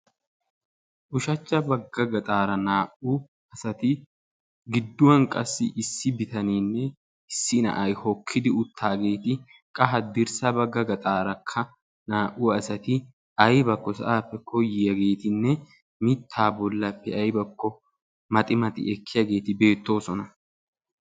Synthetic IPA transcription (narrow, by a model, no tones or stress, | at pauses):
ʔʊʃɐt͡ʃːɐbɐɡːɐɡɐt̪ʼaːɾɐnaːʔu | ɐsɐt̪ɪ | ɡɪd̪ːʊwɐnkʼɐsːɪ̰ʔɪsːɪbɪt̪ɐniːnːɛ | ɪsːɪnɐ̰ʔɐjhɔkʰːɪd̪ɪʊt̪ʰːaːɡe̞ːt̪ɪ | kʼɐɦɐd̪ɪɾsɐbɐɡːɐɡɐt̪ʼaːɾɐkʰːɐ | naːʔuɐsɐt̪ɪ | ɐjbɐkːɔsɐ̰ʔaːpːɛkʰɔjːɪjɐɡe̞ːt̪ɪnːɛ | mɪt̪ʰːaːbɔlːɐpːɛɐjbɐkːɔ | mɐt̪ʼɪmɐt̪ɪ̰ɛkʰːɪjɐɡe̞ːt̪ɪbe̞ːt̪ːo̞ːsɔnɐ